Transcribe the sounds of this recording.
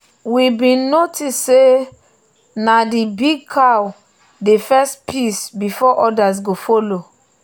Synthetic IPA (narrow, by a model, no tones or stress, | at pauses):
wibĩnnotisːe | nadibiɡ̚kʰaw | defɛstpʰisbifɔʔɔdas̬ɡofolo